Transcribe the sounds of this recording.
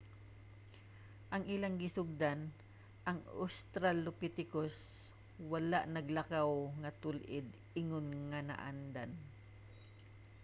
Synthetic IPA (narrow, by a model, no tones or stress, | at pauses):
ʔɐŋʔɪlaŋɡɪsʊɡ̚d̪an | ʔɐŋa̰st̪ɾalʊpit̪ɪkos | walaʔnɐɡlakawŋɐt̪ʊlʔɪd̪̚ | ɪŋʊnŋana̰ʔa̰nd̪an